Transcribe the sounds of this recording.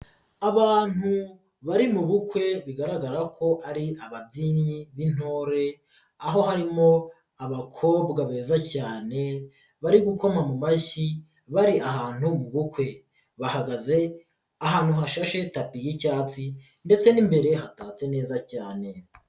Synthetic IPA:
aβaːn̥hu | βaɾimuβukwe̞βiɡaɾaɡaɾakʰo̞ʔaɾiaβabɟiniβin̥o̞ːɾe̞ | aɦo̞ɦaɾimo̞ | aβakʰo̞ːbɡaβe̞ːzacaːne̞ | βaɾiɡuko̞mamumaçi | βaɾiaɦaːn̥humuβukwe̞ | βahaɡaze̞ | aɦaːn̥huɦaʃaʃe̞tapijicaːt͡si | nde̞t͡se̞nimbe̞ɾe̞ɦataːt͡se̞ne̞ːzacaːne̞

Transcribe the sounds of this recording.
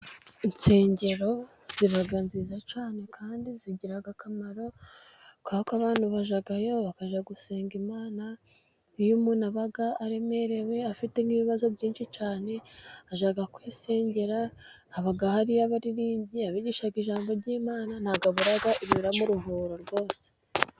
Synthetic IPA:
int͡se̞ːɲɟe̞ɾo̞ | z̥iβaɡanziːzat͡ʃaːne̞kʰaːndiziɟiɾaɡakamaɾo̞ | kakaβaːnhuβaʒaɡajo̞βakaʒaɡuse̞ːŋɡimaːna | ijumuːnaβaɡaːɾe̞me̞ɾe̞we̞afite̞ŋiβiβazo̞bɟiːnʃit͡ʃaːne̞aʒaɡakwiːse̞ːɲɟe̞ɾaː | βaɡahaɾijaβaɾiɾiːɟiaβiɟiːʃaɡiʒaːmbo̞ɾɟiːmaːnan̥haɡaβuɾaɡaʔiβiβiɾamuɾuɦuːɾoɾɡwo̞ːse̥

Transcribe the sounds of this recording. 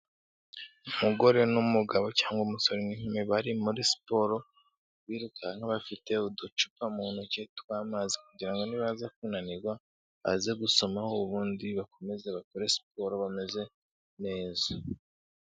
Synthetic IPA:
umuɡo̞ɾe̞numuɡaβo̞caːŋɡwomuso̞ɾiniɲumeβaɾimuɾisi̥po̞ɾo̞ | βiːɾukaŋ̥aβafite̞udut͡ʃu̥pamuːnhucetwaːmazikuɟiɾaŋɡo̞niβazak̚unaniɡwa | βa̰zeɡuso̞mahoβuːndiβako̞me̞zeβakoɾe̞si̥po̞ɾo̞βame̞ze̞ | ne̞ːza

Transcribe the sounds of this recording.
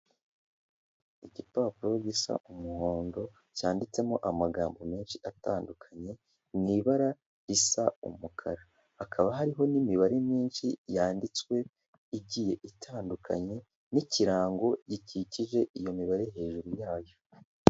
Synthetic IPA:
iɟipaːpuɾoɟisa̰ʔumuho̞ːndo̞ | caːndit͡se̞moʔamaɡaːmbome̞ːnʃiʔataːndukʰaɲe̞ | niβaɾa | isaṵmukʰaɾa | hakʰaβaɦaɾiɦo̞nimiβaɾimiːnʃijaːndit͡skwe̞ | iɟije̞ʔitʰaːndukʰa̰ɲe̞ | niciɾaːŋɡo̞ɟiciciʒe̞ʔijo̞miβaɾeɦe̞ːʒuɾujaːjo̞

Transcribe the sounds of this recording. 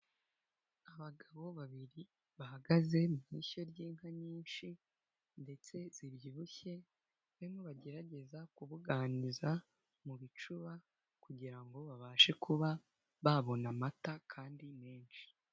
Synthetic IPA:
aβaɡaβo̞βaβiɾi | βahaɡaze̞mumiso̞ɾɟiːŋhaɲiːnʃi | nde̞t͡se̞z̥ibjiβuçe̞ | βemoβaɟe̞ɾaɟe̞zakuβuɡaːniza | muβit͡ʃuβa | kuɟiɾaŋɡo̞βaβaːʃe̞kʰuβa | βaβo̞namatakʰaːndimeːnʃi̥

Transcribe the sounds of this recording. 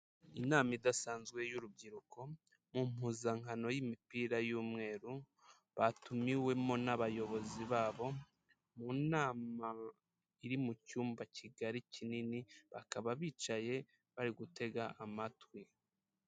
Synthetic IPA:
inaːmidasaːnzɡwe̞juɾub̚ɟiɾuko̞ | mum̥huːzaŋ̥hano̞jimipiːɾajuːmŋe̞ːɾu | βatumiwe̞mo̞naβajo̞βo̞ziβaːβo̞ | munaːma | iɾimucuːmbacʰiɡaɾicininiβakaβaβiːt͡ʃaje̞ | βaɾiɡute̞ɡaʔamatwi

